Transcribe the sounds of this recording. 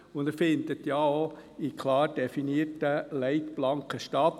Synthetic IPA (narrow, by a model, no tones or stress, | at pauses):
ʊnd̪æɾfɪnd̪ət̪jɑoikʰlɑːrdɛfiniəɾtəlɛɪt̪b̥lɑŋkəʃtɑt̪